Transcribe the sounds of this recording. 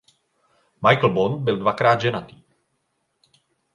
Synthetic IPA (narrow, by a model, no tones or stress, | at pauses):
majkl̩bonbɪldvakɾaːd̪ʒɛnat̪iː